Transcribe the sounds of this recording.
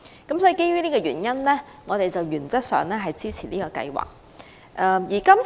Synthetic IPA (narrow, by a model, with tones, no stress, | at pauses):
kɐ˨˥msɔ˨˧˥i˨˧ke˥jɥyː˥niː˥kɔː˧jyː˨˩njɐ˥nlɛː˥ | ŋɔː˨˧t̪e˨jt͡sɐ˨wjyː˨˩nt͡sɐ˥t̚sœ̰ː˨˧ŋlɛː˥ɦɐ˨jt͡siː˥t͡sʰi̥ː˨˩niː˥kɔː˧kɐ̰˧jwa̰ː˨˩k̚ | ʔɛ˧jiː˨˩kɐ˥m